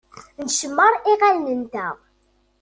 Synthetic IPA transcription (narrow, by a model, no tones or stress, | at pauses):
nəʃəmːəɾˤiʁalnənt̪æʁ